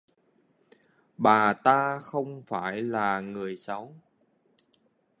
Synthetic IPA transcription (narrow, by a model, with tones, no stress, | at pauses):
ɓaː˨˩t̪aː˧xə˧wŋ͡mfaː˧˩jlaː˨˩ŋɨ˨˩əjsa˨˦w